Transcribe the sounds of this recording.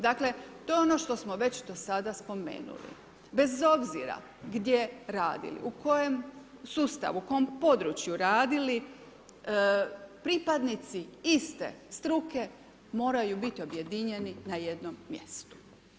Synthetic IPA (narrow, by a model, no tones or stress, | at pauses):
d̪akle̞t̪ojeo̞no̞ʃt̪o̞smoʋe̞t͡ɕd̪o̞sad̪aspo̞mḛːnṵlḭ | be̞zo̞bziɾa̰ | ɡd̪je̞ɾaːd̪ḭlḭʔuko̞jemsuːst̪a̰ʋuukojompo̞d̪ɾut͡ɕjuɾaːd̪ili | pɾipad̪nit̪siist̪e̞̰st̪ɾuke̞ | mo̞ːɾajubit̪io̞bje̞d̪iɲe̞ninaje̞d̪no̞mːje̞̰st̪u̥